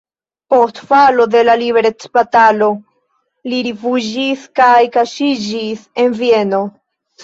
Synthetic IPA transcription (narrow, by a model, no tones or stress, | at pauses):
po̞stfalo̞de̞laliβe̞ɾet͡spatalo̞ | liɾifud͡ʒiskajkaʃid͡ʒise̞nvie̞no̞